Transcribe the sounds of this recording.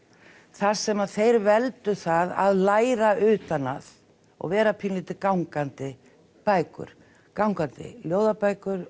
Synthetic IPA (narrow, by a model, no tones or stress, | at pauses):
θaðsɛmaðθejɾvɛlt̪ʏθaða̰ðlaːjɾaʔʏːt̪anað | ɔ̰ɣvɛːɾapʰɪnlɪt̪ɪkawŋkant̪ɪ | paːjkʏ̰ɾ̥ | kawŋkant̪ɪ̰ljoːwðapaːjkʏɾ